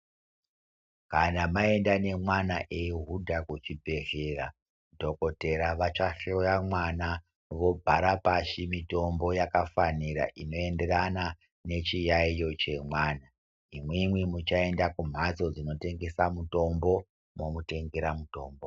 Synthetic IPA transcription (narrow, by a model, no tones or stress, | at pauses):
kanamae̞ndane̞mwanaʔeɦudʱakut͡ʃibʱe̞rera | dʱo̞ko̞te̞ɾaʋat͡ʃaɬojamwana | ʋo̞bʱaɾapaʃimito̞mbo̞jakafaniɾa̰ʔino̞e̞nde̞rana | ne̞t͡ʃijaijo̞t͡ʃe̞mwaːna | imwemwimut͡ʃae̞ndakum̤ʱat͡so̞d͡zino̞te̞ŋɡe̞samuto̞mbo̞ | mo̞mute̞ŋɡeɾamuto̞ːmbo̞